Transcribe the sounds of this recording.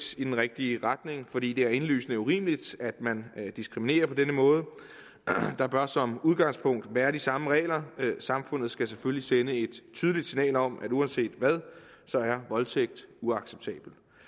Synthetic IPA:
sid̥enʁɛɡ̥̚d̥iəʁad̥ne̝ŋfɒ̽ɾḭːd̥e̝æɐe̝nly̰ːsnəuʁḭːməlid̥æd̥mænd̥isɡ̥ʁimine̝̰ːɐpʰɒ̽denəmɔ̽ːð̞̩ˠə | d̥ɑ̈b̥ɶɐsɒ̽muð̞ˠɡ̥ɑ̈ŋspʰɔ̽ŋ̰d̥ʋæːɐd̥isɑ̈məʁɛ̰ːlɐsɑ̈mfɔ̽n̰ð̩ˠsɡ̥æs̬eføllisenəe̝d̥t͡sʰyːðˠlid̥sinɛ̰ːlɒ̽m̰ʔæduænse̝̰ːd̥ʋæð̞ˠ | sɒ̽æɐʋɒ̽lt͡sʰeɡ̥̚d̥uɑ̈ɡ̥seb̥̚t͡sʰɛ̰ːb̥l̩

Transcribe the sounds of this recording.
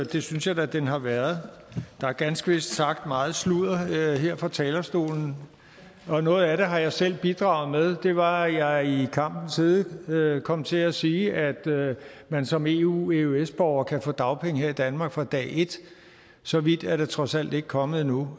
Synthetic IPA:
d̥e̝synsjɑ̈ɪd̥æd̥enɦɑ̈ʋæɐðˠ | d̥ɑ̈æɐɡ̥ænsɡ̥əʋe̝sd̥sɑ̈ɡ̥d̥mɑ̈ːð̞̩ˠsluð̰ˠɐɦeɐ̰fʁɑ̈t͡sʰɛːlɐsd̥o̝̰ːln̩ | ɒ̽nɔ̽ːð̞̩ˠæɾe̝ɦɑ̈jɑ̈ɪsel̰b̥id̥ʁɑ̈ʊð̞̩ˠmeð̞ˠd̥e̝ʋɑ̈jɑ̈ɪikʰɑ̈m̰b̥n̩siːðˠøkʰɒ̽m̰t͡sʰe̝æsiːʔæd̥ | mænsɒ̽me̝uːeuesb̥ɒʊɐkʰæfɔ̰ːd̥ɑ̈ʊpʰeŋ̰əhe̝ɐ̰id̥ænmɑ̈ːɡ̥fʁɑ̈d̥ɛ̰ːʔe̝d̥ | sɒ̽ʋid̥æɐɾ̥e̝t͡sʰʁɒ̽sæl̰d̥e̝ɡ̥̚kʰɒ̽məð̩ˠnu

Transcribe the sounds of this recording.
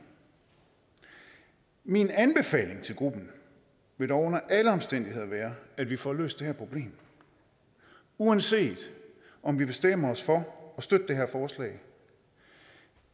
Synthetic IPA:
minænb̥e̝fɛ̰ːle̝ŋt͡sʰe̝lɡ̥ʁub̥n̩ | ʋe̝ɾ̥ɒʊɔnɐʔæləɒ̽msd̥en̰d̥ihe̝ð̞ˠɐʋæːɐæd̥ʋifɒ̰lø̰ːsd̥e̝ɦæɐpʰʁo̝b̥le̝̰ːm | uænse̝̰ːd̥ | ɒ̽mʋib̥e̝sd̥em̰ɐɒsfɒ̽ɒ̽sd̥ød̥əd̥eɦeɐ̰fɒːslɛ̰ːɪ

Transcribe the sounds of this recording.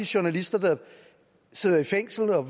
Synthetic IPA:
iɕuɐnælisd̥ɐd̥ɑ̈ | se̝ð̰ˠɐifeŋ̰sl̩ɒ̽ʋ

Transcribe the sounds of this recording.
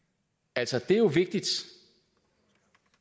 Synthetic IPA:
ælsɒd̥e̝joʋe̝ɡ̥̚d̥id̥

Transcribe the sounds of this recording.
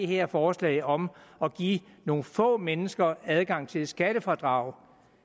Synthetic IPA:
iheɐ̰fɒːslɛ̰ɪɒ̽mɒ̽ɡ̥ḭːno̝ːn̩fɔ̰̽ːmenəsɡ̥ɐæð̞ˠɡ̥ɑ̈ŋ̰t͡sʰe̝lsɡ̥æɾ̥əfɒd̥ʁɑ̈ʊ̰

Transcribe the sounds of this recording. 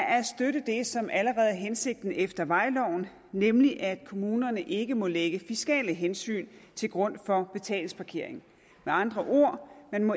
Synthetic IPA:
æɐsd̥øɾəd̥e̝sɒ̽mʔæləʁɛːð̞̩ˠɦense̝ɡ̥̚d̥n̩efd̥ɐʋɑ̈ɪlɒʊ̰n̩ | nemliʔæd̥kʰo̝muːnɐnəʔe̝ɡ̥əmɒ̽leɡ̥əfisɡ̥ɛ̰ːləɦensy̰ːnt͡sʰe̝lɡ̥ʁɔ̽n̰fɒ̽b̥e̝t͡sʰɛ̰ːlŋspʰɑ̈kʰe̝ɐ̰e̝ŋ̩ | meɑ̈nd̥ʁɐʔo̝ɐ̰menmɒ̽

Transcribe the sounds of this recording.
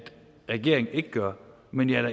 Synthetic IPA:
d̥ | ʁɛɡ̥e̝̰ɐ̰eŋ̩e̝ɡ̥əɡ̥ɶɐ | menjæd̥æ

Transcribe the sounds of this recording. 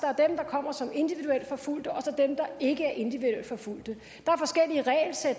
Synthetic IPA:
d̥ɑɐd̥emd̥ɑ̈kʰɒ̽m̰ɐsɒ̽me̝nd̥iʋið̥uel̰d̥fɒ̽ful̰d̥əɒ̽sɒd̥emd̥ɑ̈e̝ɡ̥əæɐʔe̝nd̥iʋiðuel̰d̥fɒ̽ful̰d̥ə | d̥ɑ̈æɐfɒ̽sɡ̥el̰iəʁɛ̰ːɪlsed̥

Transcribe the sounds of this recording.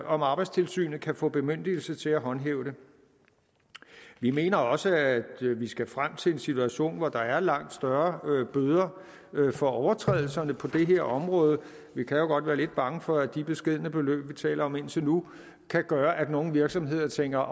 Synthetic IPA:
ʔɒ̽mɑ̈ːb̥ɑ̈ɪdst͡sʰe̝lsy̰ːnð̩ˠkʰæfɔ̰ːb̥e̝møn̰d̥il̩sət͡sʰe̝læɦɒ̽nɦḛːʊɾ̥e̝ | ʋime̝̰ːnɐɒ̽səæd̥ʋisɡ̥æfʁam̰t͡sʰe̝lensit͡sʰuæɕo̝̰ːnʋɒd̥ɑ̈æɐlɑ̈ŋ̰d̥sd̥ɶɐb̥øːð̞ˠɐ | fɒ̽ɒʊɐt͡sʰʁɛ̰ðˠl̩sɐnəpʰɒ̽d̥e̝ɦe̝ɐ̰ɒ̽mʁɔ̽ːð̞ˠə | ʋikʰæjo̝ɡ̥ɒ̽d̥ʋæːɐle̝d̥̚b̥ɑ̈ŋəfɒ̽æd̥ib̥e̝sɡ̥e̝ð̞̰ˠənəb̥e̝lø̰ːb̥ʋit͡sʰɛ̰ːlʔɐɒ̽me̝n̰t͡sʰe̝nu | kʰæɡ̥ɶːɐʔæd̥no̝ːn̩ʋiɐɡ̥sɒ̽mɦe̝ð̞̰ˠɐt͡sʰeŋ̰ɡ̥ɐ

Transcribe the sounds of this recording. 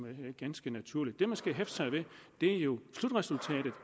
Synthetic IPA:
ɡ̥ænsɡ̥ənæt͡sʰuɐ̰lid̥ːe̝mænsɡ̥æɦefsʰɑɪʋe̝d̥e̝æɐjo̝slud̥ʁɛsult͡sʰɛ̰ːɾ̥ð̩ˠ

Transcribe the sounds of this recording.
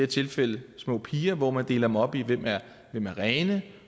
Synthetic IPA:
ɐt͡sʰe̝lfel̰əsmɔ̰̽ːpʰiːɐʋɒmænd̥e̝ːlɐd̥m̩ɒ̽b̥iʋem̰æɐ | ʋemæɐʁɛːnə

